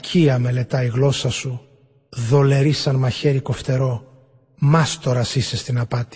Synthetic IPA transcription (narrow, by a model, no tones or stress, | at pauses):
cʰiɐme̞le̞t̪ɐiɣlo̞sɐsu | ðo̞le̞ɾisɐnmɐçe̞ɾiko̞ft̪e̞ɾo̞ | mɐst̪o̞ɾɐsise̞st̪inɐpɐt̪i̥